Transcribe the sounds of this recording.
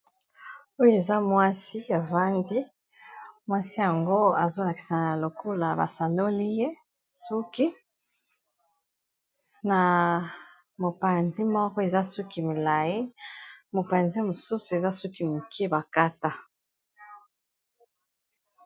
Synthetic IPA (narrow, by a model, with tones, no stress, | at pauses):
o˦jo˦e˨za˦mwa˦si˦a˨va˦ndi˦ | mwa˦si˦ja˨ŋɡo˦a˨zo˦la˨ki˨sa˨na˨lo˨ko˦la˨ba̰˨sa˨no˦li˦je˦ | su˦ki˦ | na˨ | mo˨pa˨nzi˦mɔ˦kɔ˦e˨za˦su˦ki˨mi˨la˨ji˦mo˨pa˨nzi˦mo˨su˦su˨e˨za˦su˦ki˦mu˨kʰi˦ba˨ka˦ta˦